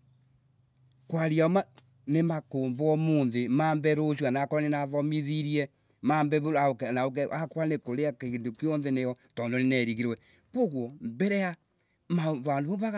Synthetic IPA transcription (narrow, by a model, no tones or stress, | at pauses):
kwaɾiaɔma | nemakoːmbɔmonðemaːmbɛɾoʃwanakɔɾanenaðɔmiðiɾiɛ | mambɛβoɾaoknaokɛakwanekoɾeakeɣindokijɔnðenejɔ | tɔndonenɛɾiɣiɾwɛ | koɣwɔmbɛɾɛa | maβandoβoβaɣ